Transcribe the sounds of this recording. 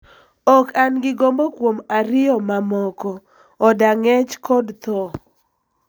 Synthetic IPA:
ɔkanɡɪɡombokwomaɾɪɔmamɔkɔ | ɔdaŋɛt͡ʃkɔdt̪ɔ

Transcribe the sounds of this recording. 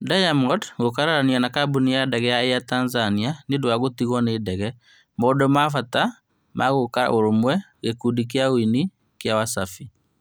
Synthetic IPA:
dajamɔdɣokaɾaɾanianakabunijadɛɣɛjaejatanzanianedwaɣotiɣɔneːdɛɣɛ | mɔdɔmafata | mʔaɣokaɾa̰oɾomwɛ | ɣekudik̬eaoini | kjawasafi

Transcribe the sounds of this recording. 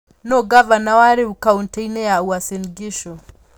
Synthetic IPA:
nɔɡavanawaɾeukauntɛinɛjauasiliɡiʃɔ

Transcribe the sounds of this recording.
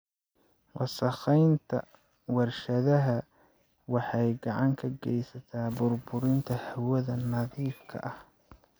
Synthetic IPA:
wɑsɐχɛjnt̪ʰɐ̰ | wɑrʃɐðɐɦɐ | wɑħɑjɡɑʕɑŋkʰɐɡɛjsɐt̪ʰaːbʊrbʊɾɪnt̪ʰɐhɐwɐðɐnɐðiːfkʰɐ̰ʔɐh

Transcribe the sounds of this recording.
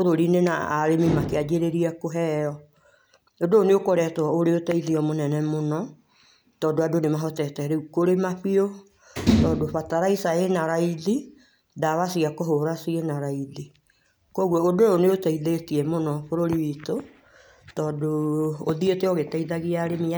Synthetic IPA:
oɾoɾinena̰aɾemimakead͡ʒeɾeɾiakoɦɛɔ | odooneokoɾɛtɔoɾeotaiðiɔmonɛnɛmonɔ | tɔːdoadonemaɦɔtɛtɛɾeukoɾemaɸio | tɔːdoɸataɾaisaenaɾaiði | daβasiakoɦoɾasienaɾaiði | kɔɣwɔodooneotaiðetiɛmonɔfoɾoɾiwito | tɔːdooðieteɔɣetaiðaɣiaɾemi

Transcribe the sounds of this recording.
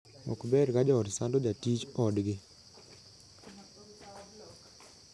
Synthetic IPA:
ɔ̰kbɛɾkad͡ʒɔɔɾsandod͡ʒatit͡ʃɔdɡɪ

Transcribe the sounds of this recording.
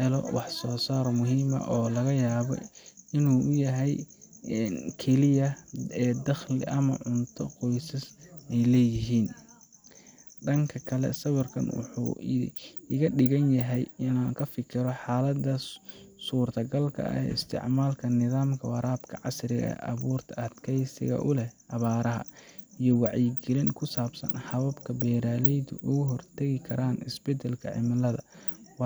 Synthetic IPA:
hɛlɔ̰wɑħsɔːsaːɾmʊɦiːmɐ̰ʔɔːlɐɣɐjaːβɔ̰ɪnuːʔʊjɐɦɛj | kʰɛlɪjɐɛːd̪ɐχlɪʔɐmɐ̰ʕʊnt̪ʰɔqɔjsɐsɛjlɛːjɪɦiːn | ɖɐŋkʰɐkʰɐlɛ̰sɐβɐrkʰɐ̰nwʊ̰ħṵː | ɪɣɐɖɪɣɐnjɐɦɛjɪnaːŋkʰɐfɪkʰɪɾɔħaːlɐd̪ɐsuːrt̪ʰɐɡɐlkʰɐ̰ɐ̰ɛ̰ːɪst̪ʰɪ̰ʕmaːlkʰɐnɪðaːmkʰɐwɑɾaːbkʰɐʕɑsrɪɣɐ̰ʔɐβuːrt̪ʰɐɐd̪kʰɛjsɪ̰ɣɐ̰ʔʊlɛhʔɐβaːɾɐɦɐ̰ijɔwɑʕjɪɡɪlɪŋkʰʊsaːbsɐ̰nħɐβɐbkʰɐbɛːɾaːlɛjd̪ʊʔʊɣʊɦɔrt̪ʰɐɣɪkʰɐɾaːnɪ̰sb̥ɛd̪ɛlkʰɐ̰ʕɪ̰mɐlɐðɐ̰w

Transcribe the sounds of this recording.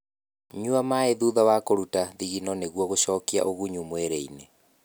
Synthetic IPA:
ɲuamaeðuðawakoɾutaðiɣinɔneɣwɔɣoɕɔːkia̰ʔoɣuɲumweɾeine

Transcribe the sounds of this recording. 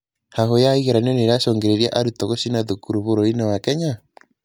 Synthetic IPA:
hahojaiɣeɾanɛneɾaʃɔːŋɡeɾeɾja̰ʔaɾutɔɣoʃinaðukuɾuβoɾoinawakɛɲa

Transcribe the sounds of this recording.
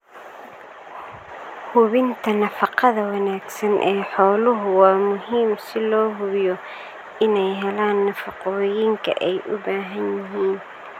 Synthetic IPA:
hʊβɪnt̪ʰɐnɐfɑqɑðɐwɑnaːɡsɐnʔɛːħɔːlʊɦʊwɑːmʊɦiːmsɪlɔːɦʊβjɔ | ɪnɛjɦɛlaːnːɐfɑqɔjiːŋkʰɐ̰ʔɛjʔʊbaːɦɐnjɪɦiːn

